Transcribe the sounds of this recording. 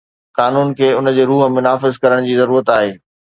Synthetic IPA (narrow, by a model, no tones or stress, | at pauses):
kaːnuːnkʰeːʊnə̆d͡ʑeːɾuːɦmʊnaːfɪzkɐɾəɽ̃d͡ʑiːzɐɾuːɾət̪aːɦeː